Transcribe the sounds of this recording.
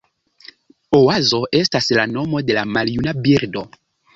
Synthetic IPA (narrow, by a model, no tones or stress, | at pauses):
owazo̞ʔe̞staslano̞mo̞de̞lamaljunabiɾdo̞